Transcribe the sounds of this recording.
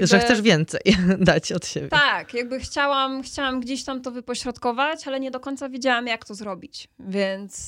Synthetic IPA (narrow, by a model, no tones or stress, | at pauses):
ʐɛxtsɛʐvʲjɛnt̪sɛ̰jd̪at͡ɕɔt̪ɕḛbʲjt̪akjaɡ̚bɘxt͡ɕawamxt͡ɕawamɡd͡ʑeɕt̪amt̪ɔvɘpɔɕɾɔt̪kɔvat͡ɕalɛɲɛd̪ɔkɔɲt̪savʲed͡ʑawamjakt̪ɔzɾɔbʲit͡ɕvʲjɛnt̪s